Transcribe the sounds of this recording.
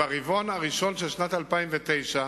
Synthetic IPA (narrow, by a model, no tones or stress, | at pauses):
aʁivo̞naʁiʃo̞nʃelʃnat̪alpaimvet̪ejʃa